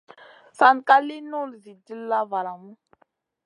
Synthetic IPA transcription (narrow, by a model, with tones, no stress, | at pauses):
sa˨nka˦li˦no˦lzi˨di˦lla˦va˨la˨mu˦